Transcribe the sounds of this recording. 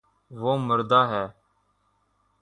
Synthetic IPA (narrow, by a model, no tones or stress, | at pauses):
ʋoːməɾd̪aːɦɛː